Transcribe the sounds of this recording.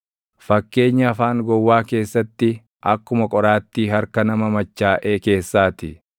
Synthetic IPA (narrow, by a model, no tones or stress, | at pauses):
fɐkːe̞ːɲːɐːfaːŋɡɔwːaːke̞ːsːɐt̪ːɪ | ʔɐkːʊmɐkʼɔɾaːt̪ːiːɦɐɾkɐnɐmɐmɐt͡ʃːaːʔeːke̞ːsːaːt̪ɪ